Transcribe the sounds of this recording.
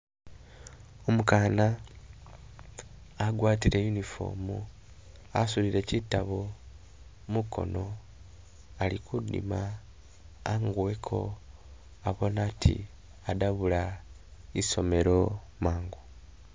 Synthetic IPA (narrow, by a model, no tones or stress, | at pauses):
omukaːna | ɡwaːtiɾejunifo̞̰ːmu | asuliɾe̞citːaβo | muko̞̰no̞ | alikudḭmaː | ŋɡwekʰo̞̰ | aβo̞naːtʰḭ | adaβula | iso̞me̞ɾo̞ | maːŋɡu